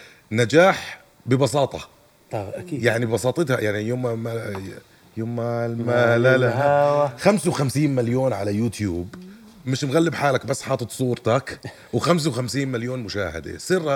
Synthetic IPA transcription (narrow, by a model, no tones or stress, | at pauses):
nad͡ʒaːħ | bɪbɑsˤɑːt̪ˤɑ | jaʕnibɪbɑsˤɑːt̪ˤɨt̪hajaʕnijoːmma | joːmalmalalaaxamsawxamsiːnmaljoːnʕalajuːt̪juːb | mɪʃmɣalːɪbħaːlakbasːħɑːt̪ˤɨt̪ˤsˤuːɾt̪ak | wxams̬awxamsiːnmaljoːnmʊʃaːhɪ̰d̪ḛsˤɪrːa